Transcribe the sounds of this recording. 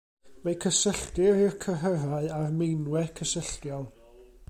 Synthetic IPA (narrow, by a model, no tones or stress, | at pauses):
wekʰəsəɬtɪɾɪrkʰərəɾaɨarmejnwɛkʰəsəɬtjɔlˠ